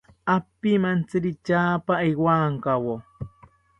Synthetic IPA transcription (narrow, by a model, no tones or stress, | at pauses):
apːimant͡sɨɾit͡ʃaːpaiwaŋkawo